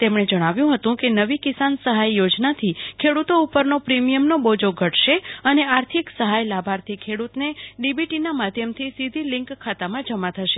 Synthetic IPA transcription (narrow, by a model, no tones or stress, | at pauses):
t̪emɳ̃ed͡ʒəɽ̃aʋjũɦət̪ũkenəʋikisansəɦajːod͡ʒnat̪ʰikʰeɽut̪oupəɾnopɾimijəmnobod͡ʒoɡʱəʈʰʃeəneaɾt̪ʰiksəɦajlabʱaɾt̪ʰikʰeɽut̪neɖibiʈinamad̪ʱjəmt̪ʰisid̪ʱilɪ̃ŋkʰːat̪amãd͡ʒəmãt̪ʰəʃe